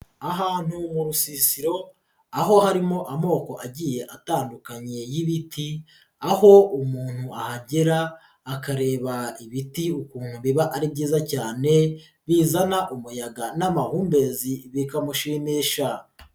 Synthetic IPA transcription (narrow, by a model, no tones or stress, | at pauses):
aɦaːn̥humuɾusisiɾo̞ | aɦo̞haɾimo̞ʔamo̞ːko̞ʔaɟije̞ʔataːndukaɲe̞jiβitʰi | aho̞umuːn̥huʔahaɟeɾaː | kaɾe̞ːβaiβitiukuːn̥huβiβaʔaɾibɟiːzacaːne̞ | βiːzanaʔumujaɡanamahuːmbe̞ziβikamuʃimiʃa